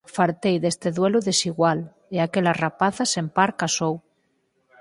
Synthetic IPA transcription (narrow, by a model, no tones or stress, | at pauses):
faɾt̪ejðest̪eðweluðesiɣwal | eakelarapaθasempaɾkasow